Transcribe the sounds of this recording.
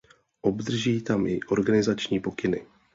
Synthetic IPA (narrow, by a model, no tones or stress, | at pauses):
ʔobd̪r̩ʒiːt̪amʔɪʔo̞ɾɡanɪzat͡ʃɲiːpo̞kɪnɪ